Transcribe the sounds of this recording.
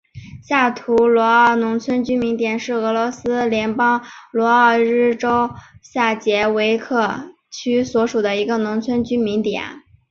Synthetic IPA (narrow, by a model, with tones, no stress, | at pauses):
ɕja˥˩t̪ʰu˧˥lwɔ˧˥ə˥˧˩nʊ˧˥ŋt͡sʰwə˥nt͡ɕy˥nmi˧˥nt̪jɛ˨˩nʂɻ̩˥˩ɤ˧˥lwɔ˧˥sɹ̩˥ljɛ˧˥npɑ˥ŋlwɔ˧˥ə˥˧˩ɻɻ̩˥˩ʈ͡ʂo˥ʊɕja˥˩t͡ɕjɛ˧˥we˧˥ɪkʰɤ˥˩ | t͡ɕʰy˥swɔ˧˥ʂu˨˩d̪ə˦i˧˥ɡə˧nʊ˧˥ŋt͡sʰwə˥nt͡ɕy˥nmi˧˥nt̪jɛ̰˨˩˦n